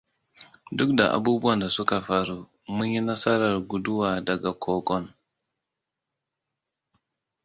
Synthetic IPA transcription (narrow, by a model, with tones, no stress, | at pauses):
du˦kda̰˨ʔa̰˨bu˦bu˦a˦˨nda˨su˦ka˨fa˨ɾu˨ | mu˦ɲi˦na˦sa˦ɾa˨lɡu˨du˦wa˨da˨ɡa˨kʰo˨ɡo˦n